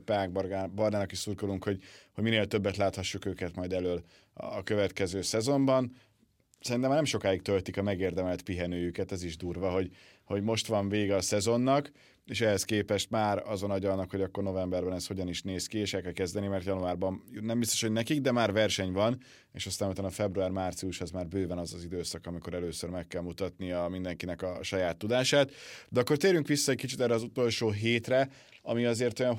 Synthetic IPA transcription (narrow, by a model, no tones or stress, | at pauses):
paːɡ̚brbɒrnaːnɒkiʃsurkoluŋkho̞ɟhoɟmineːlt̪øbːɛt̪laːt̪hɒʃːukøːkɛt̪mɒjd̪ɛløːlː | kø̞vɛt̪kɛzøːsɛzo̞mbɒn | sɛɾinɛmːaːnɛmʃo̞kaːjik̚t̪ølt̪ikɒmɛɡeːrd̪ɛmɛlt̪piɦɛnøːjykɛt̪ɛziʒd̪uːrvɒɦo̞ɟ | ho̞ɟmo̞ʃt̪ʋɒɱveːɡɛɒsɛzo̞nːɒk | eːʃɛhɛskeːpɛʃt̪maːɾɒzonɒɟɒlnːɒkho̞ɟɒkːo̞rno̞vɛmbɛrbɛnɛst̪ho̞ɟɒniʃneːskieːʃɛlkɛlkɛzd̪ɛnimɛrt̪jɒnuaːrbɒnnɛmbist̪o̥ʃhoɟnɛkiɡd̪ɛmaːrɾvɛrʃɛɲvɒn | ḛːʃɒst̪aːnot̪aːnɒfɛbruaːrmaːrt̪sijuʃhozmaːrbøːvɛnɒzɒzid̪øːsɒkɒmiko̞ɾɛløːsørmɛkːɛlmut̪ɒt̪̚nijɒmind̪ɛŋkinɛkɒʃɒjaːt̪ːud̪aːʃaːt̪d̪ɛɒkːo̞rt̪eːɾyŋkʋisːɒɛc̚kit͡ʃit̪ɛrɾːɛɒzut̪o̞lʃoːɦeːt̪rɛ | ɒmiɒzeːrt̪o̞jɒn